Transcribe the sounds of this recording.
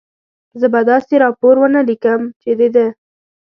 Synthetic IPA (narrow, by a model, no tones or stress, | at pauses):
zəbad̪ɑseɾɑpoɾwənalikəmt͡ʃed̪ed̪e